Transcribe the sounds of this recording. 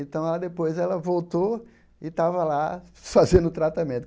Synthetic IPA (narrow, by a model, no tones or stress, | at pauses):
ẽt̪ɐ̃w̃lad̪epojzɛlɐvowt̪o | ɪt̪avɐlafazẽnd̪ʊt̪ɾat̪amẽnt̪ʊ